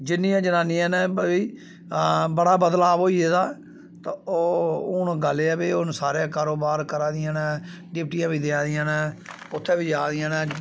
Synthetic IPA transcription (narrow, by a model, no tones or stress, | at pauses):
d͡ʒɪnːĩːãːd͡ʒənaːniːɛːnɛiː | bəɽaːbəd̪laːboːiːeːd̪aː | t̪aoːʊnɡəlːeɛːbeːʊnsaːɾjãːkaːɾoːbaːɾkəɾãːd̪ɪjãːnɛː | ɖɪp̚ʈijãːbiːd̪eãːd̪ɪjãːnɛː | ʊt̪ʰːẽːbiːd͡ʒaːd̪ɪjãːnɛː